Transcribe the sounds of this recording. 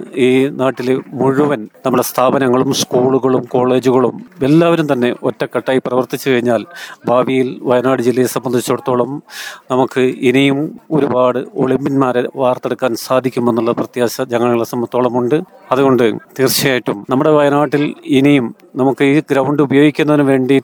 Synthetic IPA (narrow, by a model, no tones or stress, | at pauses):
iːnaːʈːilmuɻuʋɐnnɐmːɐɽest̪ʰaːbɐnɐŋːɐɭumskuːɭuɣɐɭumko̞ːɭe̞ːd͡ʑuɣɐɭume̞lːaːʋɐɾumt̪ɐnːe̞ʔotːɐkːɐʈːaːjiprɐʋɐrt̪it͡ɕːɨkɐɻiɲːaːlbʱaːbijilʋɐjɐnaːɽɨd͡ʑilːɐjesɐmbːɐnd̪ʱit͡ɕːoɽut̪ːo̞ːɭɐmnɐmukːɨinijumo̞ɾubaːɽɨoɭimbinmaːɾeʋaːrt̪e̞ɽukːaːnsaːd̪ʱikʲːume̞nːuɭːɐprɐt̪jaːɕɐd͡ʑɐŋːɐɭːiɭsɐmɐt̪ːoːɭɐmuɳɖɨ | ɐðuɣo̞ɳɖɨt̪iːrɕijaːjiʈːumnɐmːuɽe̞ʋɐjɐnaːʈːilinijum | nɐmukːɨiːɡɾɐwɳɖɨubɐjo̞ːɡikʲːunːɐðinɨʋe̞ːɳɖi